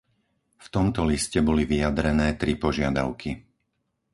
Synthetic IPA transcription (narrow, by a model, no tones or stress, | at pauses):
ft̪ɔmt̪ɔliscɛbɔliʋijad̪ɾɛnɛːt̪ɾipɔʒɪad̪a̰ʊkʰi